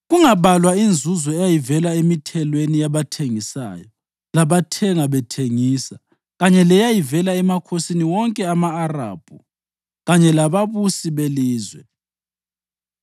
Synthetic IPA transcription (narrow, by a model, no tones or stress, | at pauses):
ɣuŋaβalwaind͡zʱuzɔɛjajivɛlaemitʰɛlwenijaβatʰeŋisa̰ːjɔ | laβatʰɛŋaβɛtʰeŋisa | ɣaɲɛlɛjajivɛlaɛmakʰosiniwɔŋkʼɛamaːra̰ːb̥ʱṵ | ɣaɲɛlaβaβusiβeliːzwɛ